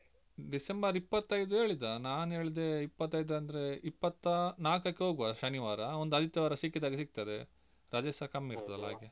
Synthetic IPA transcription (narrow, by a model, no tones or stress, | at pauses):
ɖisembɐɾipːɐt̪ːɐjd̪ue̞ːɭid̪ɐnaːne̞ːɭid̪eipːɐt̪ːɐjd̪ɐnd̪ɐɾe̞ipːɐt̪ːɐnaːkɐkːeɦo̞ːɡuʋaʃɐniʋaːɾɐond̪uɐd̪ʱit̪ːjɐʋaːɾɐsikːid̪aːɡesik̚t̪ɐd̪e | ɾad͡ʒesɐkɐmːiɾt̪ɐd̪ɐ̰lːa̰ːɡe